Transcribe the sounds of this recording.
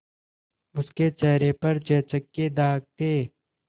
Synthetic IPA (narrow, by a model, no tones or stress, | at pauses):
ʊsket͡ʃɛːɾepɐɾt͡ʃɛːt͡ʃəkːed̪aːɡ̚t̪eː